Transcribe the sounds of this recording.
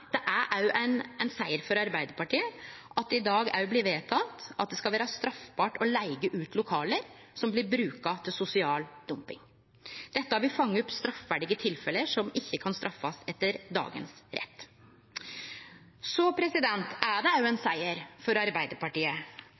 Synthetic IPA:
d̪̥ɛʔæʔæjʊʔæɪnɛnsæɪəɾfɔɾɑɾbæɪd̪əɾpɑʈiːəʔɑt̪̚d̪ɪd̪ɑːɡæ̰ɾjʊbliːʋeːt̪ʰɑt̪ɑ̰t̪̚d̪ɛskɑʋæːɾɑst̪ɾɑfbɑːʈɔlæɪɡəʔʉːt̪ʰlʊkʰɑːləɾ | sɔmblɪɾbɾʉːkɑt̪ʰɪlsʊsɪɑːld̪̥ʊmpɪ̰ŋ | d̪̥ɛt̪ːəɑʋɪfɑŋːəʊpst̪ɾɑfʋæːɖɪɡət̪ʰɪlfɛləʂɔmɪçːəkʰɑnst̪ɾɑfːɑsɛt̪ːəɾd̪ɑ̰ːɡə̰nsɾʔɛ̰t̪ː | sɔpʰɾɛsɪd̪ɛnt̪æɖɛjʊɛnsæɪəɾfɔɾɑɾbæɪd̪əɾpɑʈiːə

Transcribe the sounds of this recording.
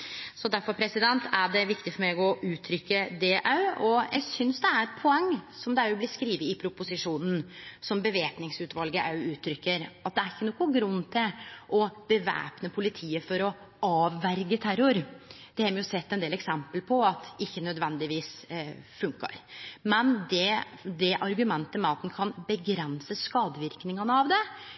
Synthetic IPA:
sɔd̪æɾfɔɾpʰɾɛsɪd̪ɛnt̪ʰæɖɛʋɪkt̪ɪfɔɾmeɡɔʔʉːt̪ʰɾʏkːəd̪ɛʔɑʉɔjʔæ̰ɡsʏnsd̪ɛæɾɛt̪pʰɔɛŋːsɔmd̪ɛɾʊblɪskɾiːʋəɪpʰɾʊpʊsɪʂuːnn̩sɔmbəʋeːpnɪŋsʉːt̪ʰʋɑlɡəʔɑ̰ʉʉːt̪ʰɾʏkːəɾɑt̪̚d̪ɛæɾɪçːənɔːkːʊɡɾʉnːt̪ʰɪlʔɔb̥əʋæ̰ːpnəpʰʊlɪt̪ʰiːəfɔɾɔ | ɑːʋːæɾɡət̪ʰæɾʊɾd̪̥ɛhɛɾmɛjʊsɛt̪ːɛnd̪eːlɛksɛmpəlpʰɔɑt̪ɪçːənœd̪ʋɛnd̪ɪʋiːsfʉŋkə̰ɾmɛnd̪ɛd̪ɛʔɑɾɡʉmɛnt̪əmɛɑt̪̚ːn̩kʰɑnbəɡɾɛnsəskɑːd̪əʋɪɾknɪŋɑnəɑʋd̪ɛ

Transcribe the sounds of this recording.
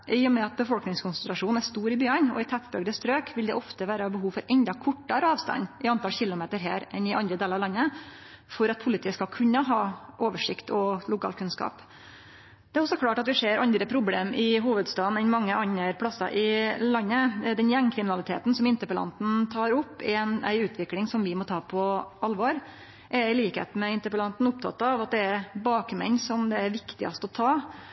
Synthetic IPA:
ʔɪjɔmɛɑt̪̚bəfɔlknɪŋskʰʊnsənt̪ɾɑʂuːn̩æʂt̪uːɾɪbyːənɔ̰ɪt̪ʰæt̪bœɡd̪əst̪ɾøːkʰʋɪld̪ɛʔɔft̪əʋæːɾəɑbəɦuːfɔɾʔɛnd̪ɑkʰɔʈːɑɾəɑːʋst̪ɑ̰nːʔɪɑnt̪ɑlçɪlːʊmeːt̪əɾɦḛːɾʔɛnɪʔɑnd̪ɾəd̪eːlɾɑʋlɑnːə | fɔɾɑt̪̚pʰʊlɪt̪iːəskɑlkʰʉnːəɦɑːʔoːʋəʂɪkt̪ʰɔlʊkʰɑ̰ːlkʰʉnskɑ̰ːp | d̪̥ɛæɾɔsɔkʰlɑːʈɑt̪ʋɪʂeːɾɑnd̪ɾəpʰɾʊbleːmɪɦuːʋəd̪st̪ɑːd̪n̩ɛnmɑŋːəʔɑnːəɾpʰlɑsɑ̰ʔɪlɑnːəd̪ɛnjæŋkʰɾɪmɪnɑlɪt̪ʰḛːt̪n̩sɔmɪnt̪əɾpəlɑ̰nt̪n̩t̪ʰɑːɾʊpːɛnæ̰ɪʉːt̪ʰʋɪklɪŋsɔmʋɪmɔt̪ʰɑːpʰɔɑlʋɑːɾ | ʔɛɾɪliːkhḛːt̪̩mɛɪnt̪əɾpəlɑnt̪n̩ʊp̚t̪ʰɑ̰t̪ːɑʋɑt̪̚d̪ɛæɾbɑːkmɛ̰ɲsɔmd̪ɛæɾʋɪkt̪ɪɑ̰st̪ɔt̪ʰɑː

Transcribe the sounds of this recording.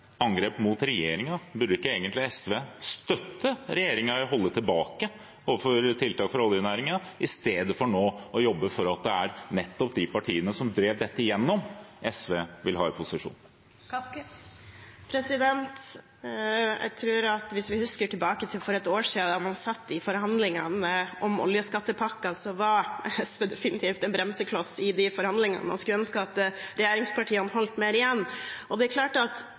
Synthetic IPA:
ɑŋɡɾeːpmuːt̪ɾɛjeːɾɪŋɑbʉɖəɪkːəeːɡənt̪lɪɛsʋeːst̪œt̪ːəɾɛjeːɾɪŋɑɦɔlːət̪ʰɪlbɑːkə | ɔʋəfɔɾt̪ʰɪlt̪ɑːkfɔɾɔlːjɪnæːɾɪŋɑʔɪst̪eːd̪əfɔɳoːɔjɔbːəfɔɾɑt̪̚d̪ɛæɾnɛt̪ːɔpd̪ɪpɑʈʰiːənəsɔmd̪ɾeːʋd̪ɛt̪ːəɪjɛnːɔmʔɛsʋeːʋɪlɦɑːɛpʰʊsɪʂṵːn | pʰɾɛsɪd̪ɛnt̪ | jæ̰ɪt̪ʰɾʉːɾɑt̪ʋɪsʋɪhʉskəʈʰɪlbɑːkət̪ʰɪlfɔɾɛt̪oːʂiːɑd̪ɑmɑnsɑt̪ːdɪfɔɾhɑnd̪lɪŋɑnəʔɔmɔ̰ljəskɑt̪ːəpʰɑkːɑsɔʋɑɾɛsʋed̪ɛfɪnɪt̪ʰiːft̪ɛnbɾɛmsəkʰlɔsɪd̪ɪfɔɾhɑnd̪lɪŋɑ̰nəɔskɾɛnskɑt̪ːəɾɛjeːɾɪŋspʰɑʈʰiːənhɔlt̪meːɾɪjɛnːʔɔd̪ɛɛkʰlɑːʈəɑt̪

